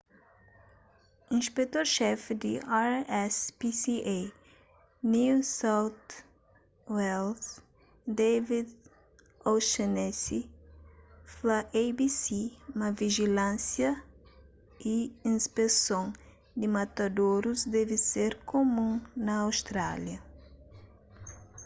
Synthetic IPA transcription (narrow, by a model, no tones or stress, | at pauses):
ĩspek̚t̪oɾʃɛfd̪iaɾɛspisie | nisawt̪ | wɛls | d̪evid̪ | oʃenɛsi | flaʔejbisimɐviʒilãnsjɐ | iĩspesõŋ | d̪ɪmɐt̪ɐd̪oɾuzd̪ɛviseɾkomũnɐːwst̪ɾa̰ljɐ